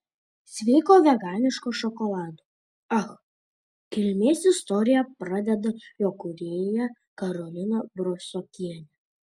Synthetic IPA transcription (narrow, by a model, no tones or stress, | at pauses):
sʲʋʲɛɪkoːʋʲɛɡɑːnʲɪʃkoːʃɔkɔlˠɑːd̪o | ɐx | kʲɪlʲmʲeːsɪst̪ɔɾʲɪjɛpɾɑd̪ʲɛd̪ɐjoːkʊɾʲeːjjɛ | kɐɾɔlʲɪnobɾɔfsɔkʲiɛnʲɛ